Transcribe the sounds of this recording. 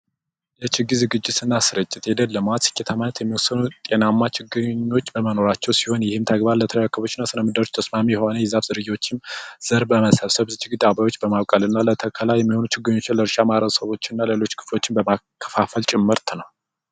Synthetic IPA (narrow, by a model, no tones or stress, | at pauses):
jɛt͡ʃɪɡːizɨɡɨd͡ʒːɪt̪ɨnːasɨɾɨt͡ʃʼːɪt̪jɛd̪əlːəmat̪sɨ̥kʰːet̪ʰamanət̪jɛmːiwɔsːənut̪ʼenamːat͡ʃʰɪɡɨɲːo̞t͡ʃːbəməno̞ɾat͡ʃːɛwsi̥ho̞njɪhɨmt̪ʰəɡbaɾlət̪ʰələjakʰːəβo̞t͡ʃːɪnːasɨnəmɨd̪əɾot͡ʃt̪ʰəsmamijɛho̞nəjɪzafz̥ɨɾɨjwo̞t͡ʃːɪnz̥əɾbəməsəβsəβt͡ʃʰɪɡɨd̪abajwo̞t͡ʃːbəmaβkʼalɨnːalət̪ʰəkʰəlajɛmːiho̞nut͡ʃɪɡɨɲːo̞t͡ʃːɪnləɾʃamaɾəβsəβo̞t͡ʃːɪnːalelo̞t͡ʃːkʰɨ̥flo̞t͡ʃːɪnbəmakʰːə̥fafəlt͡ʃʼɪmːɨɾt̪nəw